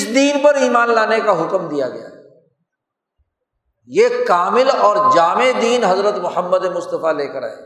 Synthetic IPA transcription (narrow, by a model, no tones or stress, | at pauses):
ɪsd̪iːnpɐɾiːmaːnlaːnekaɦʊkmd̪ijaɡɐ̰ja̰ | jeːkaːmɪlɔːɾd͡ʒaːmed̪iːnɦɐzɾət̪mʊhəmːəd̪emʊst̪əfaleːkəɾa̰ɦḛː